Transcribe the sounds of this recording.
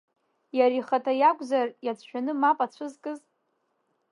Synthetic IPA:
jaɾiχatʰajakʷʼzarjat͡sʷʰʃᶣanɨmapʼat͡ɕʷʰɨzkʼɨz

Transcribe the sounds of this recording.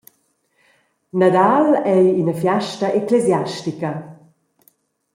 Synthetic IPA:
nad̪alɛjinəfjaʃtaʔeklezjaʃtikɐ

